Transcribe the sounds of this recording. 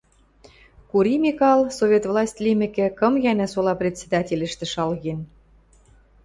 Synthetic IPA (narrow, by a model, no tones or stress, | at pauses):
kuɾimʲikɑlˠsovʲet̪vlˠɑsʲt̪ʲlʲimɘ̆kĕkɤ̆mjænæsolɑprʲet̪sʲed̪ɑtʲelʲɘ̆ʃt̪ɘ̆ʃɑlɣen